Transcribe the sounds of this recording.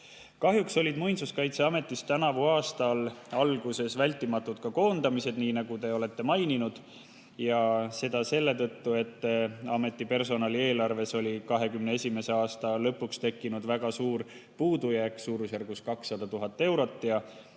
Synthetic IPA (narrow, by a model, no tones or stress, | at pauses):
kɑɦjukso̞lʲid̪mujnsuskɑjt̪se̞ɑme̞t̪ˑːist̪ænɑvuɑːst̪ɑlɑlɡ̥use̞svælʲt̪ːˑimɑt̪ːˑut̪kɑko̞ːnd̪ɑmise̞d̪̥niːnɑɡ̥ut̪e̞o̞le̞t̪ːe̞mɑjninud̪̥ | jɑse̞d̪̥ɑse̞lːe̞t̪ɤt̪ːue̞t̪ːɑme̞t̪ːˑipe̞rso̞nɑlie̞ːlɑrve̞so̞lʲikɑɦe̞kymnee̞sʲime̞se̞ɑːst̪ɑlɤ̞pːˑukst̪e̞kːinud̪væɡ̥ɑsuːɾ | puːd̪ujækːsuːɾusjærɡuskɑksːɑd̪̥ɑt̪uɦɑt̪ːˑe̞wɾo̞t̪ːˑjɑ